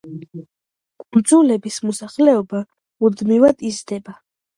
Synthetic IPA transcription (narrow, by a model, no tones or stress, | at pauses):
kʼund̪zulɛbismɔsaχlɛɔba | ud̪mivad̪izd̪ɛba